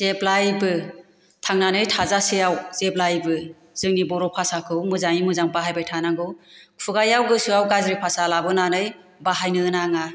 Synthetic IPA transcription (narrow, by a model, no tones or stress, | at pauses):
z̥eplajbɯ | tʰaŋnanɯjtʰazaseawzep̚lajbɯ | z̥ɯŋnibɔɾɔpʰasakʰɯwmɯzaŋimɯzaŋpaɦajbajtʰanaŋɡɯwpʰuɡajawɡɯsuawɡazɾipʰasalabɯnanɯj | baɦajnɯɯnaŋa